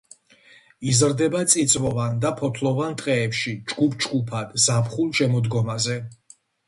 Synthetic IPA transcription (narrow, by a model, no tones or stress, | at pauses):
izɾd̪ɛbat̪sʼit̪sʼvɔvand̪apʰɔt̪ʰlˠɔvant̪ʼqʼɛːpʃid͡ʒɡupʰd͡ʒɡupʰad̪̥zapχulˠʃɛmɔd̪ɡɔmazɛ